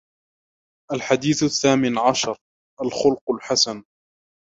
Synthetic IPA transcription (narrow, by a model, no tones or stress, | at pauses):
ʔalħad̪iːθaθːaːmɪnʕaʃɑɾˤ | ʔalxʊlqʊlħasan